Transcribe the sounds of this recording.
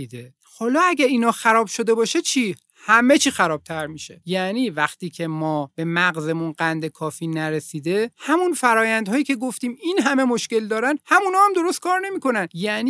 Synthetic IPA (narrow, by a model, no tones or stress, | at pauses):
id̪e | hɒːlɒːæɟʲæɾiːnɒːxæɾɒːb̥ʃo̞d̪e̞bɒːʃet͡ʃʰiː | hæme̞t͡ʃʰiːxæɾɒːb̥̚t̪ʰæɾmiʃe̞̰jæniːvæxt̪iːcʰe̞mɒːb̥e̞mæɣze̞munɢænd̪e̞kʰɒːfiːnæɾesiːd̪e̞hæmunfæɾɒːjænd̪ɦɒːjiːcʰʲe̞ɡoft̪iːminɦæme̞mo̞ʃke̞ld̪ɒːɾænhæmunhɒːæmd̪o̞ɾo̞st̪̚kʰɒːɾne̞miːkʰo̞nænjæniː